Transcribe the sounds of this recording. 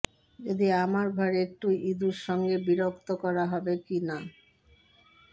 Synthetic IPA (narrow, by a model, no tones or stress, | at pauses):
ed̪iamaɾbʱaɾek̚ʈuid̪uɾʃɔŋɡebiɾokt̪okɔɾaɦɔbekina